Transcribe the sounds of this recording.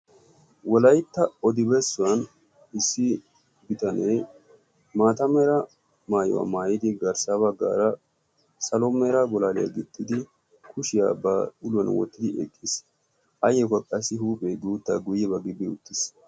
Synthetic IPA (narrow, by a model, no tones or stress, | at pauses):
wɔlɐjt̪ːɐɔd̪ɪbɛsːʊwɐn | ɪsːɪ | bɪt̪ɐnɛj | maːt̪ɐmɛɾɐ | maːjɔ̰wa̰maːjɪd̪ɪɡɐɾsabɐɡːa̰ːɾɐ | sɐlɔmɛɾɐɡɔlaːlɪjɐ̰ɡɪt̪ːɪd̪ɪ | kʰʊʃɪja̰ːbɐʊlʊwɐnwɔ̰t̪ːɪd̪ɪɛ̰kʼːɪs | ʔɐjɛkɐkʼɐsːɪhuːpʼeɡuːt̪ːɐɡʊjːɛbɐɡɪbɪʊt̪ːɪs